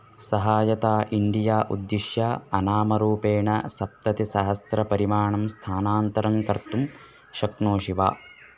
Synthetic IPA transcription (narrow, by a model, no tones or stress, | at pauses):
sɐɦaːjɐt̪aːʔiɳɖijaːʔud̪ːiʃjaːɐnaːmɐɾuːpeːɳɐsɐp̚t̪ɐt̪isɐɦɐsɾɐpɐɾimaːɳɐmst̪ʰaːnaːnt̪ɐɾɐŋkɐɾt̪um | ʃɐknoːʃiʋa̰ː